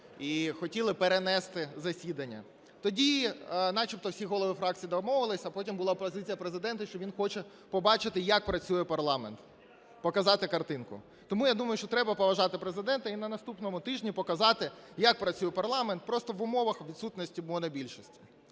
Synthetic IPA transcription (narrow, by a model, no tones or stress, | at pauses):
ixɔtʲilˠɪpeɾenɛst̪ɪzɐsʲid̪ɐnʲːɐ̰ | t̪ɔdʲinɑt͡ʃipt̪ɔwsʲiɦɔlˠɔʋɪfɾɑk̚t͡sʲijid̪ɔmɔʋɪlˠɪsʲɐpɔtʲimbʊlˠɑpɔzɪt͡sʲijɐpɾezɪd̪ɛnt̪ɐʃt͡ʃɔʋʲinxɔt͡ʃɛ | pɔbɑt͡ʃɪt̪ɪjɐk̚pɾɐt͡sʲujɛpɐrlˠɑment̪ | pɔkɐzɑt̪ɪkɐrt̪ɪnkʊ̰ | t̪ɔmujad̪umɐjʊʃt͡ʃɔt̪ɾɛbɐpɔʋɐʒɑt̪ɪpɾezɪd̪ɛnt̪ɐinɐnɐst̪upnɔmʊt̪ɪʒnʲipɔkɐzɑt̪ɪjɐk̚pɾɐt͡sʲujɛpɐrlˠɑment̪̚pɾɔst̪ɔʋʊmɔʋɐxʋʲid̪sut̪nɔsʲtʲibʊlɔnɐbʲilʲʃisʲtʲi̥